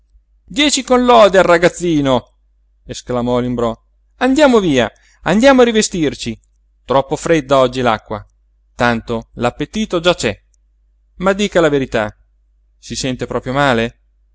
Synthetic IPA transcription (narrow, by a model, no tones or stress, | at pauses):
d̪jɛːt͡ʃikonlɔd̪earːaɡat̪sːiːno | esklamɔlimbɾɔ | and̪jaːmoviːa̰ | and̪jaːmoarɾivest̪irt͡ʃi | t̪ɾɔpːofɾed̪ːaɔd͡ʒːilakːwa̰ | t̪ant̪olapːet̪iːt̪od͡ʒat͡ʃɛ | mad̪ːiːkalaveɾit̪a | sisɛnt̪epɾɔːpɾjomaːle